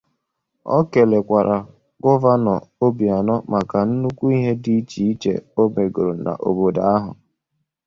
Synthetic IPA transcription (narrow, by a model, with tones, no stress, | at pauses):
ɔ̰˦ke˨le˨kʷa˨ɾʔa˨ | ɡɔ˦va˦nɔ˨o˦bi˨a˨nɔ˦ma˨ka˨n̩˦nu˦kʷu˦i˦ɦe˦di˦t͡ʃi˨i˦t͡ʃḛ˨o˦me˨ɡo˨ɾo˨na̰˨ʔo̰˨bo˨da˨a˦ɦʊ̰˨